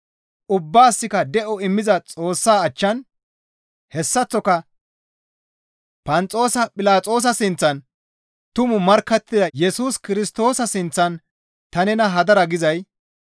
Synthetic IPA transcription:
ʔʊbːaːsːɪkɐd̪ɛʔɔɪmːɪzɐt͡sʼo̞ːsːaːɐt͡ʃːɐn | hɛsːɐt͡sːɔkɐ | pɐnt͡sʼo̞ːsɐpʼɪlaːt͡sʼo̞ːs̬ɐsɪnt͡sːɐn | t̪ʊmʊmɐɾkːɐt̪ːɪd̪ɐjɛsuːskɪɾɪst̪o̞ːsɐsɪnt͡sːɐn | t̪ɐnɛnɐɦɐd̪ɐɾɐɡɪzɐj

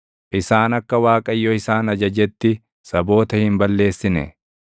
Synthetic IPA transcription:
ʔɪsaːnɐkːɐwaːkʼɐjːɔɪsaːnɐd͡ʒɐd͡ʒɛt̪ːɪ | sɐbo̞ːt̪ɐhɪmbɐlːe̞ːsːɪnɛ̰

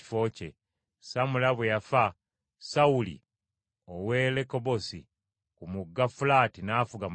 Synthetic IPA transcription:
i̥fo̞cḛ | samulaβwejafa | saulḭ | owe̞leko̞bosḭ | kumuɡːafulaːtinaːfuɡam

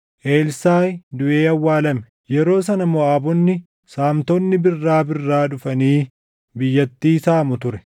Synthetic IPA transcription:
ʔeːlsaːjd̪ʊʔe̞ːɐwːaːlɐmɛ | jɛɾo̞ːsɐnɐmɔaːbɔnːɪ | saːmt̪ɔnːɪbɪrːaːbɪrːaːᶑʊfɐniː | bɪjːɐt̪ːiːsaːmʊt̪ʊɾɛ

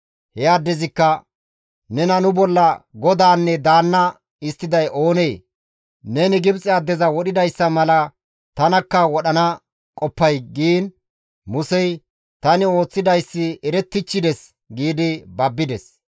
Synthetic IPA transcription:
hɛjaːd̪ːɛzɪkːɐ | nɛnɐnʊbɔlːɐɡɔd̪aːnːɛd̪aːnːɐ | ɪst̪ːɪd̪ɐjʔo̞ːne̞ː | nɛnɪɡɪbt͡sʼɪaːd̪ːɛzɐwɔɗɪd̪ɐjsːɐmɐlɐ | t̪ɐnɐkːɐwɔɗɐnɐ | kʼɔpːɐjɡiːn | mʊsɛj | t̪ɐnɪo̞ːt͡sːɪd̪ɐjsːɪɛɾɛt̪ːɪt͡ʃːɪd̪ɛs | ɡiːd̪ɪbɐbːɪd̪ɛs

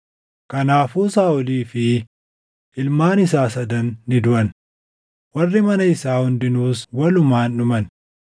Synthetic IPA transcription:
kɐnaːfuːsaːʔʊliːfɪ | ʔɪlmaːnɪsaːsɐd̪ɐnːɪd̪ʊʔɐn | wɐrːɪmɐnɐɪsaːhʊnd̪ɪnuːswɐlʊmaːnːʊmɐn

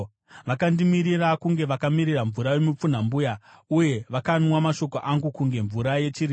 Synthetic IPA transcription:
ʋakandimiɾirakuŋɡe̞ʋakamiɾiraɱvuɾawemup͡fun̤ambujauje̞ʋakanwamaʃo̞koʔaŋɡukuŋɡe̞ɱvuɾaje̞t͡ʃiri

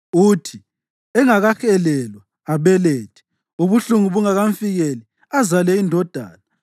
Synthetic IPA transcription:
utʰi | ɛŋaɣaxʰɛlɛlwaːβɛleːtʰɛ̥ | uβuɬuŋuβuŋaɣaɱfiɣeli | azalɛindʱɔd̥ʱa̰ːla

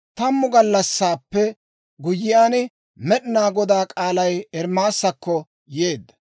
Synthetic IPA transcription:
t̪ɐmːʊɡɐlːɐsːaːpːɛ | ɡʊjːɪjaːn | mɛɗɪnaːɡɔd̪aːkʼaːlɐjɛɾmaːsːɐkːɔ | jeːd̪ːɐ̥

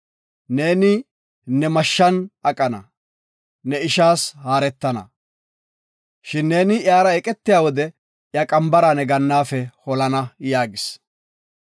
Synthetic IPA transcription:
ne̞ːnɪ | nɛmɐʃːɐnɐkʼːɐnɐ̰ | nɛɪʃaːshaːɾɛt̪ːɐnɐ̰ | ʃɪnːe̞ːnɪjaːɾɐɛkʼɛt̪ːɪjaːwɔd̪ɛ | ʔjakʼɐmbɐɾaːnɛɡɐnːaːfɛhɔlɐnɐjaːɡɪs

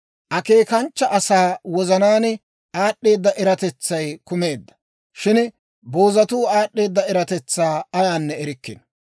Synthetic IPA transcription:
ʔɐke̞ːkɐnt͡ʃːɐʔɐsaːwɔzɐnaːnɪ | aːɗːe̞ːd̪ːɐʔɛɾɐt̪ɛt͡sːɐjkʊme̞ːd̪ːɐ̥ | ʃɪn | bo̞ːzɐt̪uːaːɗːe̞ːd̪ːɐɛɾɐt̪ɛt͡sːaːɐjaːnːɛɛɾɪkːɪ̰n

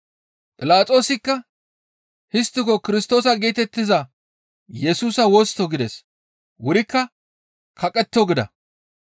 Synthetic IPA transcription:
pʼɪlaːt͡sʼo̞ːsɪkːɐ | hɪst̪ːɪkɔkɪɾɪst̪o̞ːsɐɡeːt̪ɛt̪ːɪzɐ | jɛsuːsɐwɔst̪ːɔɡɪd̪ɛs | wʊɾɪkːɐ | kʰɐkʼːɛt̪ːɪɔɡɪd̪ɐ̰

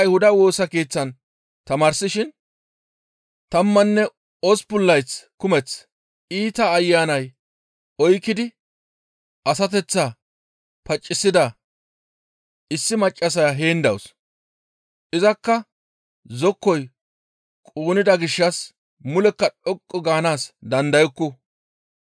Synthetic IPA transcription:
jhʊd̪ɐwo̞ːsɐke̞ːt͡sːɐn | t̪ɐmaːɾsɪʃɪn | t̪ɐmːɐnːɛ | ɔspʊlːɐjt͡skʊmɛt͡s | iːt̪ɐːjːaːnɐj | ɔjkːɪd̪ɪ | ʔɐs̬ɐt̪̬ɛt͡sːa | pɐt͡ʃʼːɪsːɪd̪ɐ | ɪsːɪmɐt͡ʃʼːɐs̬ɐjaɦeːnd̪ɐws | ʔɪzɐkːɐ | zɔkːɔj | kʼuːnɪd̪ɐɡɪʃːɐs | mʊlɛkːɐᶑɔkʼːɔɡaːnaːsd̪ɐnd̪ɐjɔkːɔ

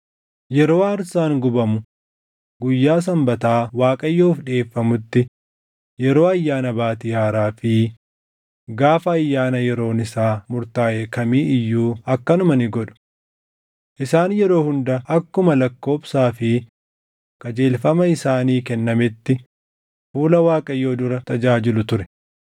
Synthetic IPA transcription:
jɛɾo̞ːɐɾsaːŋɡʊbɐmʊ | ɡʊjːaːs̬ɐmbɐt̪aːwaːkʼɐjːoːfᶑe̞ːfːɐmʊt̪ːɪ | jɛɾo̞ːɐjːaːnɐbaːt̪ɪhaːɾaːfɪ | ɡaːfɐːjːaːnɐjɛɾo̞ːnɪsaːmʊɾt̪aːʔɛkɐmiːɪjːuːɐkːɐnʊmɐnɪɡɔᶑʊ̥ | ʔɪsaːnjɛɾo̞ːhʊnd̪ɐʔɐkːʊmɐlɐkːo̞ːbsaːfɪ | kɐd͡ʒeːlfɐmɐɪsaːniːkɛnːɐmɪt̪ːɪ | fuːlɐwaːkʼɐjːo̞ːd̪ʊɾɐt̪ɐd͡ʒaːd͡ʒɪlʊt̪ʊɾɛ̥

